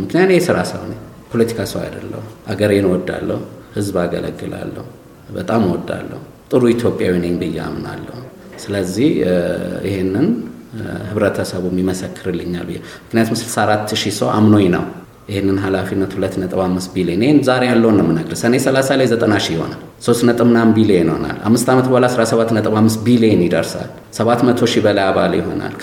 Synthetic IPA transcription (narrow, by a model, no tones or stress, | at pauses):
mɨknijat̪jesɨɾasə̰βneɲ | pʰolət̪ʰi̥kʰasəwa̰d̪ə̰lːə̰huʔaɡəɾɛnwɔd̪ːa̰lːəhuhɨzbaɡə̰lə̰ɡːɨla̰lːə̰hu | bət̪ʼamwɔd̪ːa̰lːə̰hu | t̪ʼɨɾuit̪ʰjo̞pʼjawinenɡɨjːɛ̰a̰mna̰lːə̰hu | sɨləzːihjɪ̰henːɨn | hɨβɾət̪ʰəsəβumːiməsəkːɨɾɨlːɨɲːa̰lbɨjːḛ | mɨknijat̪ʰumsɨlsaaɾat̪ʰːʃisəwamno̞ɲnə̰w | jɪhenːɨnɦalafinːət̪hulət̪ːnət̪ʼɨβamːɨst̪bilieneenzaɾe̞jalːəwunəmːɨnəɡɾɨsənesəlasalajzət̪ʼənaʃijɪho̞̰nal | so̞st̪nət̪ʼɨmnambilienho̰na̰lʔa̰mːɨst̪ʰamət̪bəalasɾasəβat̪ːnət̪ʼɨβamːɨst̪̚bilijenjid̪əɾsa̰l | səβat̪mət̪ʰo̞ʃibəlajaβaljɪ̰ɦo̞̰na̰l